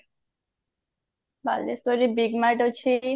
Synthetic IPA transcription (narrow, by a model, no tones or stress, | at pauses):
ba̰lːest̪oɾibiɡmaʈot͡ɕʰi